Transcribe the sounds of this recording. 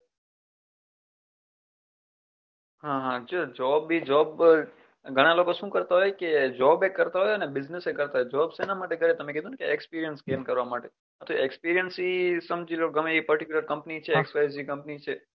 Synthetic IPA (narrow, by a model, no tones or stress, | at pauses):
ɦãɦãd͡ʒod͡ʒɔbːid͡ʒɔb | ɡʱəɽ̃alokoʃũkəɾt̪aɦɔjked͡ʒɔbekːəɾt̪aɦojənebɪznesekəɾt̪aɦɔjd͡ʒɔbsenamaʈeɡʱəɾet̪əmẽkid̪ʱunkeʔekspiɾijənskemkəɾʋamaʈe | ət̪ʰoekspiɾijənsisəmd͡ʒiloɡəmeipəɾʈikjuləɾkəmpnit͡ʃʰeːkspajzikə̃mpnit͡ʃʰe